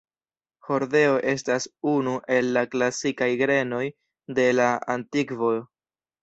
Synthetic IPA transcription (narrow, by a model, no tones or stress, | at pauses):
ho̞ɾde̞o̞ʔe̞stasunuʔe̞lːaklasikajɡɾe̞no̞j | de̞laantikvo̞